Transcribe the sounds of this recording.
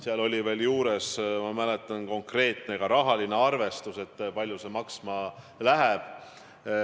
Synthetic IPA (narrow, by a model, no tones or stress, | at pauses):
seɑlo̞lʲive̞ːljuːɾe̞smɑmælet̪ˑːɑnko̞ŋkre̞ːt̪ˑne̞ɡ̥ɑɾɑɦɑline̞ɑrve̞st̪use̞t̪ːˑpɑlʲjuse̞mɑksmɑ | læɦɛb̥